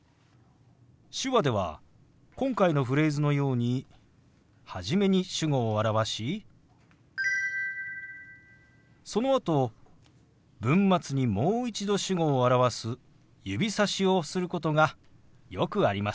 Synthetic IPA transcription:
ɕɨβad̪e̞β̞a̰ | kõ̞ŋkaino̞ɸɯ̟ɾe̞ːzɨno̞jo̞ːɲ̟i | haʑime̞ɲ̟iɕɨɡo̞ːaɾaβaɕi | so̞no̞at̪o̞ | bɯ̟̃mːat͡sɨɲ̟imo̞ːit͡ɕid̪o̞ɕɨɡo̞ːaɾaβasɨ | jɯbʲisaɕio̞sɨɾɯ̟ko̞t̪o̞ɡa | jo̞kɯ̟aɾʲima

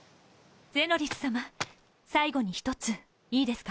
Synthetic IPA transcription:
d͡ze̞ːno̞ɾʲisɨ̥sama | saiɡo̞ɲ̟içi̥t̪o̞t͡sɨ | iːd̪e̞sɨ̥ka

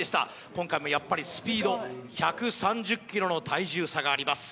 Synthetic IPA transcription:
e̞ɕi̥t̪a̰ | kõ̞ŋkaimo̞japːaɾʲisɨ̥pʲiːd̪o̞çakɯ̟sãɲd͡ʑɨkʲːiɾo̞no̞t̪ʰaiʑɨːsaɡaːɾʲimasɨ̥

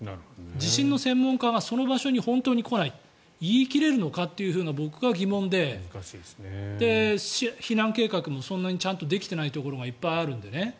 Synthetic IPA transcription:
d͡ʑiɕĩnːo̞sẽ̞mːõ̞ŋkaɡaso̞no̞baɕo̞ɲ̟ihõ̞nt̪o̞ːɲ̟iko̞nai | iːkʲiɾe̞ɾɯ̟no̞kat̪ːe̞jɯ̟ɸɯ̟ːnabo̞kɯ̟ɡaɡʲimõ̞nd̪e̞ɕisd̪̥e̞içinãŋke̞ːkakɯ̟mo̞sõ̞nːaɲ̟it͡ɕãnt̪o̞d̪e̞kʲi̥t̪e̞nait̪o̞ko̞ɾo̞ɡaipːaiaɾɯ̟̃nd̪e̞ne̞

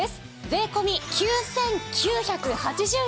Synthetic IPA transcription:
esɨ̥ | be̞ːko̞mʲikʲʰɨːsẽ̞ŋkʲʰɨːçakɯ̟hat͡ɕiʑɨː

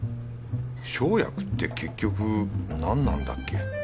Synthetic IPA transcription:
ɕo̞ːja̰kɯ̟̥t̪ːe̞kʰe̞kʲːo̞kɯ̟nãnːã̰nd̪a̰kːe̞

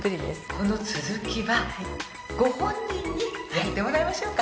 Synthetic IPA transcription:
kɯɾʲid̪ḛsko̞no̞t͡sɨzɨkʲiβa | ɡ̥o̞hõ̞ɲ̟ːĩɲːijat̪ːe̞mo̞ɾaimaɕo̞ːka

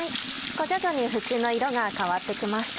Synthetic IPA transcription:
ai | ɡ̥o̞d͡ʑokoɲ̟iɸɯ̟t͡sɨːno̞iɾo̞ɡakaβat̪ːe̞kʲimaɕi̥t̪

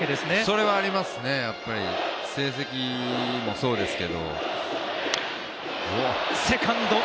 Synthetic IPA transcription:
ed̪e̞sɨneso̞ɾe̞βaːɾʲimasɨne̞japːaɾʲise̞ːs̬e̞kʲimo̞so̞ːd̪e̞sɨ̥ke̞d̪o̞̰ | ose̞kʰãnd̪o

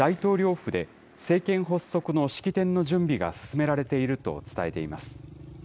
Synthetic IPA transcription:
ait̪o̞ːɾʲo̞ːɸɯ̟d̪e̞ | se̞ːkẽ̞ɰ̃ɦo̞sːo̞kɯ̟no̞ɕi̥kʲit̪ẽ̞nːo̞ʑɨ̃mbʲiɡa̰sɨ̥sɨme̞ɾaɾe̞t̪e̞iɾɯ̟t̪o̞̰t͡sɨ̥t̪ae̞t̪e̞imasɨ̥

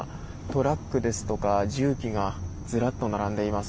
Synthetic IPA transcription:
t̪o̞ɾakːɯ̟d̪e̞sɨ̥t̪o̞kaʑɨːkʲiɡad͡zɨɾat̪ːo̞naɾãnd̪e̞imas

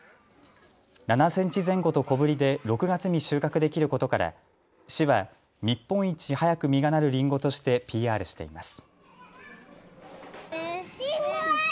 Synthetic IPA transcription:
nanasẽ̞ɲ̟t͡ɕizẽ̞ŋɡo̞t̪o̞ko̞bɯ̟ɾʲid̪e̞ɾo̞kɯ̟ɡat͡sɨɲ̟iɕɨːkakɯ̟d̪e̞kʲiɾɯ̟ko̞t̪o̞kaɾa̰ | ɕiβa | ɲ̟ipːõ̞ɰ̃it͡ɕihajakɯ̟mʲiɡanaɾɯ̟ɾʲĩŋɡo̞t̪o̞ɕi̥t̪e̞pʲiːaːɾɯ̟ɕi̥t̪e̞̰imasɨ̥

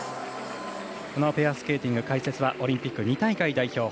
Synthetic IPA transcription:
ko̞nopeasɨ̥ke̞ːt̪ʲĩŋɡɯ̟kaise̞t͡sɨβaʔo̞ɾʲĩmpʲikːɯ̟ɲ̟it̪aikaid̪aiço̞ː

